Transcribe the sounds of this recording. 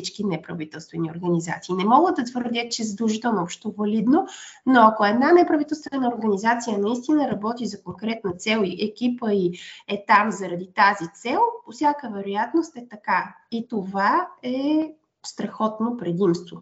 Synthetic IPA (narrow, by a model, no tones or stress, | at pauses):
it͡ʃkinɛpɾɐvit̪ɛlˠst̪vɛnio̰ɾɡəniza̰t̪siːnɛmɔɡəd̪ɐt̪vəɾd̪ʲət̪̚t͡ʃɛzəd̪ɾˠuʒit̪ɛlˠnoopʃt̪ovɐlid̪nonoɐkoɛd̪nanɛpɾɐvit̪ɛlˠst̪vɛnəoɾɡənizat̪sijənɐist̪inəɾɐbɔt̪izɐkoŋkɾɛt̪nət̪sɛlˠiʔɛkʲipəiɛt̪amzɐɾɐd̪it̪azit̪sɛlˠposʲjakəvɛɾojat̪nost̪ɛt̪ɐka | it̪ovaɛ | st̪ɾɐxɔt̪nopɾɛd̪imst̪vo